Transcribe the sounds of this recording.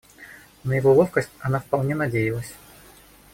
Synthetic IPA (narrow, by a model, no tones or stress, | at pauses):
nəjɪvolˠofkəsʲtʲɐnafpɐlˠnʲenɐdʲejɪlˠəsʲ